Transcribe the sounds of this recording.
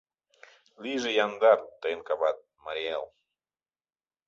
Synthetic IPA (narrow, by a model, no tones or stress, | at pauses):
lizejand̪aɾt̪enkaβat̪̚maɾiɛl